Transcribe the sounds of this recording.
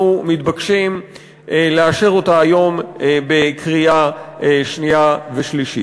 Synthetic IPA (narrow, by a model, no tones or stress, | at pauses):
umit̪bakʃim | leaʃe̞ʁo̞taːjo̞mbe̞kʁiaʃnijaveʃliʃi